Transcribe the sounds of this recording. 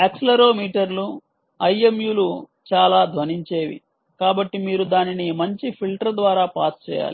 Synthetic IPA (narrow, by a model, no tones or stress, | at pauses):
ekslɐɾo̞ːmiːʈɐɾlu | ɐjemjuːlu | t͡ʃaːlaːd̪ʱʋɐniɲt͡ʃe̞ːʋḭ | kaːbɐʈːimiːɾud̪aːninimɐɲt͡ʃipʰilʈɐɾd̪ʋaːɾaːpaːst͡ʃɛ̰ːja̰ːli